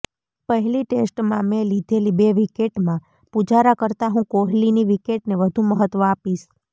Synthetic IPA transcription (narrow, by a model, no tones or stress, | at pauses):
pəɦɛliʈesʈmãmẽlid̪ʱelibeʋikeʈmã | pud͡ʒaɾakəɾt̪aɦũkoɦliniʋikeʈneʋəd̪ʱũməɦət̪ʋəapiʃ